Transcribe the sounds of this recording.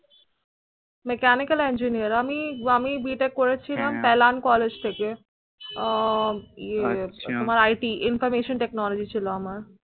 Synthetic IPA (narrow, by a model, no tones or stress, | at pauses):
mekɛnikalend͡ʑiniaɾamiamibiʈekːoɾet͡ɕʰilampɛlankɔled͡ʑt̪ʰeke | et̪omaɾajʈiʔinfɔɾmeʃonʈeknɔlod͡ʑit͡ɕʰiloamaɾ